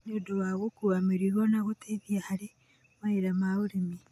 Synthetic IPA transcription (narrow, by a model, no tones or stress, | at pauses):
nodowaɣokuɣamiɾiɾonaɣotʰeβjahaɾi | maiɾamauɾimi